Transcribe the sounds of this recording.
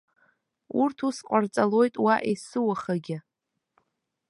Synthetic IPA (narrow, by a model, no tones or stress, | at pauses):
urtʰusqʷʼart͡sʼalo̞jtʼwaʔesɨwaχaɡʲɪ